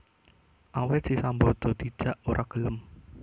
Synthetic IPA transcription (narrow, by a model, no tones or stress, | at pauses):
ʔawet̪sisambɔd̪̥ɔ̤d̪̥i̥d͡ʒ̥a̤ʔoɾʔaɡ̥ələm